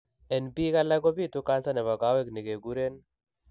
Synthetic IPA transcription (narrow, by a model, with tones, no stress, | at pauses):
ɛ˨nbi˦ka˦la˦ɡo˦bi˦˨t̪u˦ka˦nsa˦nɛ˨βa˨ɡa˦wɛ˦kni˨ɡe˨ɡu˦ɾe˦n